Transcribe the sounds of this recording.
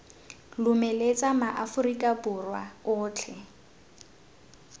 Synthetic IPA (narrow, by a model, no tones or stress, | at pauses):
lʊmelet͡sʼamaʔafʊrikʼabʊrwa̰ʊːt͡ɬʰɛ